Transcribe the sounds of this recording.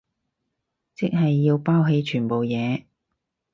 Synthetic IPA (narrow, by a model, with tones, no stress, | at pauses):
t͡sɪ˥k̚ɦɐ˨jːiː˧wpaː˥wɦe˧jt͡ʃʰyː˨˩npo˨wjɛː˨˧